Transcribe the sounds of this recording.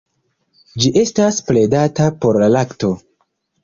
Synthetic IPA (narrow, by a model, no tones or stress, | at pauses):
d͡ʒiʔe̞staspɾe̞datapo̞ɾlalakto̞